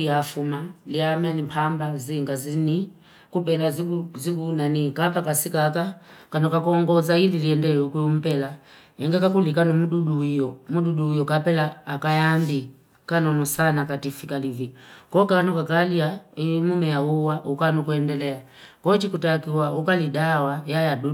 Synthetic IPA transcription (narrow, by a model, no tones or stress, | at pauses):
iafumaliamɛnimpʰambaziŋɡazini | kupɛlazuzikunanikapakasikaka | kanɔkakɔŋɡɔzaililiɛndɛɔkuum̩pɛla | ɛŋɡɛkakulikanumuɗuɗujɔmuɗuɗuːjɔkapɛlaːkajambi | kanɔnɔsanakatifikalivikɔkanɔkakaliaimumɛjauwaʔukanukuɛndɛlɛa | kɔt͡ʃikutakiwaukalidawajajadu